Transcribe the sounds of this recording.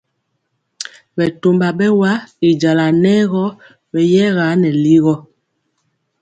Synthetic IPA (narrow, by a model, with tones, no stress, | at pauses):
bɛ˨to˨mba˨ɓɛ˦wa˦i˨d͡ʒa˨la˨nɛ˦ɣɔ˦ | bɛ˨jɛ˦ɣa˨˦nɛ˨li˦ɣɔ˦